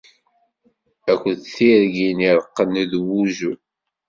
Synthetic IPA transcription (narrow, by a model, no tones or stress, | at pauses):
ækʷːəθθiɾɡiniɾˤəqːənðwuʒu